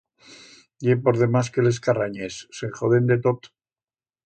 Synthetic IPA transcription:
jepoɾðemaskele̞skaraɲesːeχoðend̪et̪ot̪

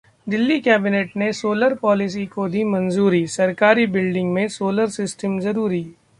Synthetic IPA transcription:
d̪ɪlːikɛːbɪneːʈnesoːləɾpɔːlɪs̬ikod̪ʱimɐ̃nzuːɾisɐɾkaːɾibɪlɖɪ̃ŋɡmẽsoːləɾsɪsʈəmzɐɾuːɾiː

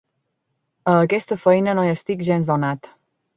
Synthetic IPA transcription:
əːkɛst̪əfəjnənojəst̪ikʒɛnzd̪onat̪

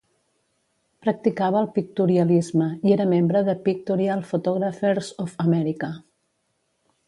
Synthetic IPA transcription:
pɾək̚t̪ikaβ̞əːlˠpik̚t̪uɾiəlizməieɾəmembɾəðəpik̚t̪uɾialˠfut̪ɔɣɾəfeɾzofəmɛɾikə

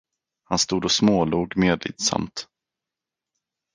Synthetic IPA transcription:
hanst̪uːd̪ɔsmoːluːɡmeːd̪lɪ̰ːd̪sa̰mt̪

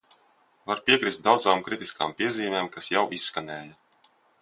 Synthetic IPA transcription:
vaɾpiɛkɾist̪̚d̪awd̪zaːmkɾit̪iskʰa̰ːmpiɛziːmʲeːmkasjawisːkanɛːja

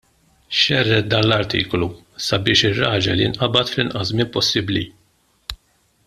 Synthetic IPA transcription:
ʃɛrːɛt̪̚d̪ɐːnlɐɾt̪ḭːklu | sɐbɪːʃɪrːɐːd͡ʒɐljɪnʔɐbɐt̪flɪnʔɐsmɪːmpɔsːɪbli

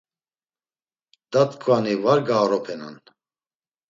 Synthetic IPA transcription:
d̪̥at̪kʰʼvanivaɾɡaːɾɔpʰɛna̰n

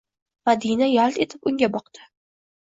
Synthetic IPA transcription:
mad̪inajalˠt̪e̞t̪ʰɪpʊŋɡʲabɒqd̪̥ɪ̥

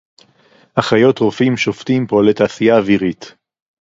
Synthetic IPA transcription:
haχajo̞tʁofimʃo̞ftimpo̞letaːsijaːviʁit

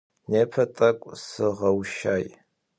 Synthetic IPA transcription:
neːpʰɐtʼɐkʷʼsɨʁɐwʃaːj

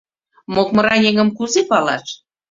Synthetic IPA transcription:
mok̚mə̆ɾɑnʲeŋə̆mkuzepɑlɑ̰ʃ

